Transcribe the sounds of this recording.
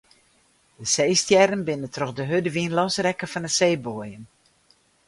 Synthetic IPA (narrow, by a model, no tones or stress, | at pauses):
dəsejstjɛɾənbɪnətroxdəɦødəʋinlɔsrɛkəfɔnəsejboəjən